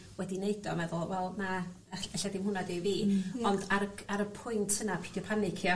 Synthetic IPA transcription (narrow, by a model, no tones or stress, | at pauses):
wɛdineɨdɔmɛðʊlˠwɛlˠna | ɛɛɬadɪmhʊnadɪːviːɔndaɾəaɾəpʰʊjntʰənapʰid̥jɔpʰanɪkʰjɔ